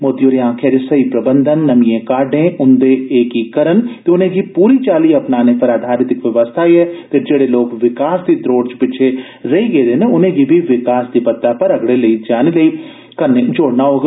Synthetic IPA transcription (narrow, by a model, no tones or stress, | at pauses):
moːd̪ijoːɾeːãːkʰɛːɾesəiːpɾəbənd̪ənːəmĩẽːkaːɖẽːʔʊnd̪eːeːkiːkəɾənt̪eːʊnẽːɡiːpuːɾiːt͡ʃaːliːəpnaːneːpəɾaːd̪ʱaːɾɪt̪ɪkʋəʋəst̪ʰaːiːɛːt̪eːd͡ʒeːɽeːloːkʋɪkaːsd̪iːd̪ɾoːɖt͡ʃpɪt͡ʃʰe | ɾəiːɡeːd̪eːneʊnẽːɡiːbʱiːʋɪkaːsd̪iːpət̪ːaːpəɾəɡɽeːləiːd͡ʒaːneːləiː | kəneːd͡ʒoːɽnaːɦoːɡ